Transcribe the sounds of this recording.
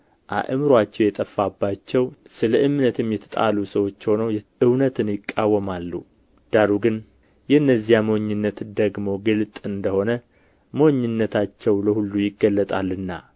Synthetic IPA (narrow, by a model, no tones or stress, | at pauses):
ʔa̰ʔɨmɾwat͡ʃːɛwjɛt̪ʼəfːabːat͡ʃːɛwsɨləʔɨmnət̪ʰɨmjɛt̪ʰə̥t̪ʼa̰lusəwo̞t͡ʃːho̞nəwjɛʔɨwnət̪ʰɨnjɪkʼːawːəmalːṵ | d̪̥aɾuɡɨn | jɛɨnːəzːijamoɲːɨnːət̪d̪əɡmo̞ɡɨlt̪ʼɨnd̪əho̞nə | mo̞ɲːɨnːət̪ʰat͡ʃːɛwləhulːujɪɡːəlːət̪ʼalːɨnːa̰